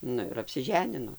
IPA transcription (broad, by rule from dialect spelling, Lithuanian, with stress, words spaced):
ˈnʊ ɪr ɐpʲsʲɪˈʒʲæːnʲɪnoː